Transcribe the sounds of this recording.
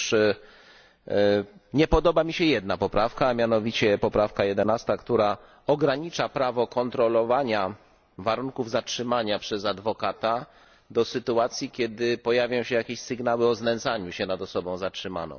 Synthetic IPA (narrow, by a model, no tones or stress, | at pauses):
ʂ | ɲɛpɔd̪ɔbamʲiɕɛjɛd̪̚napɔpɾafkaːmʲjanɔvʲit͡ɕɛpɔpɾafkajɛd̪ɛnast̪akt̪uɾa | ɔɡɾaɲit͡ʂapɾavɔkɔnt̪ɾɔlɔvaɲa | vaɾuŋkuvzatʂɘmaɲapʂɛzad̪vɔkat̪a | d̪ɔsɘt̪uat̪sʲjikʲɛd̪ɘpɔjavʲjɔ̃w̃ɕɛjakʲeɕsɘɡnawɘɔznɛnt̪saɲuɕɛnad̪ɔsɔbɔ̃w̃zatʂɘma̰nɔ̰̃w̃